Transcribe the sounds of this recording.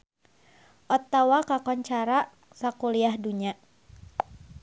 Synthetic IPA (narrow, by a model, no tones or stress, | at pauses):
ʔɔt̪awakakɔɲt͡ʃaɾa | sakuliahduɲa